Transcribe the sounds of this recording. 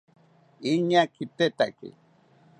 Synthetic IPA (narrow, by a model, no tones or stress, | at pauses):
iɲakʰit̪et̪akḭ